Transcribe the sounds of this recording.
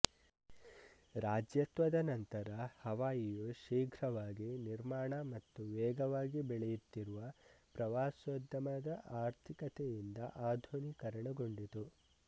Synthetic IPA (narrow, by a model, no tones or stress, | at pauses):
ɾaːd͡ʒjɐt̪ʋɐd̪ɐnɐnt̪ɐɾɐhɐʋaːjijuʃiːɡʱɾɐʋaːɡiniɾmaːɳɐmɐt̪ːuʋɛːɡɐʋaːɡibɛɭɛjut̪ːiɾuʋɐpɾɐʋaːsʋɐd̪ɐmɐd̪ɐʔaːɾt̪ʰikɐt̪ejind̪ɐʔaːd̪ʱuɳikɐɾɐɳɐɡo̞ɳɖit̪u